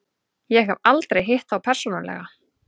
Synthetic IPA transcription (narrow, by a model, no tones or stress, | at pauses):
jɛɣɛvalt̪ɾejɦejht̪θawpʰɛɾ̥sɔnalɛ̰ɣa